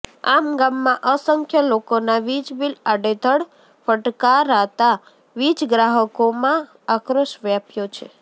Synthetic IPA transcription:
a̰mɡamːãʔəsəŋkʰjəlokonaʋid͡ʒbilaɖed̪ʱəɽ | fəʈkaɾat̪a | ʋid͡ʒɡɾaɦəkomãː | kɾəʃʋjapjot͡ʃʰḛ

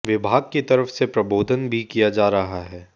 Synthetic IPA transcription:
ʋɪbʱaːɡ̚kit̪ɐɾəfsepɾɐboːd̪ʱənbʱikijad͡ʒaːɾɐɦaɦɛː

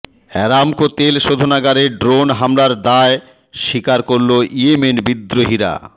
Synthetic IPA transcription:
ɛ̰ɾamkot̪elʃod̪ʱonaɡaɾeɖɾonɦamlaɾd̪ae | ʃikaɾkoɾloiemenbid̪ːɾoɦiɾa̰

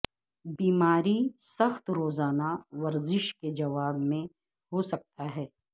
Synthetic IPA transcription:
biːmaːɾisɐxt̪ɾoːzaːnaʋɐɾzɪʃked͡ʒɐʋaːbmẽ | ɦosɐk̚t̪aɦɛː

